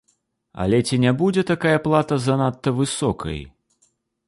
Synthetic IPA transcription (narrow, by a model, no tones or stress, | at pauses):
ɐ̰lʲɛt͡sʲinʲabud͡zʲɛt̪akajɐplˠat̪ɐzanat̪ːɐvɨsɔkʰɐ̰j